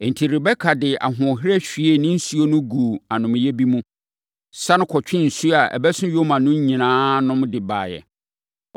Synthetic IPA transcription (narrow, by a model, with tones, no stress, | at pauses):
ɛ˨n̩˨tʰi˨ɾɪ˨bɛ˦kʰa˨dɪ˨a̰˨ɦʊ̃˨ɦɾɛ˦ɕᶣi˨e˦˨nɪ̃˦n̩˦su˦o˦nʊ̃˦ɡuː˨a˨nʊ̃˨m˨jɛ˦bi˦mũ˦ | sa˦nʊ̃˦kʰɔ˨t͡ɕᶣɪ̃˦n̩˨su˦a˨ʔɛ̰˨bɛ˦sʊ̃˦jo˦mã˨nʊ̃˦ɲĩ˨nãː˦nʊ̃˦mdɪ˨ba̰ː˨jɛ̰˨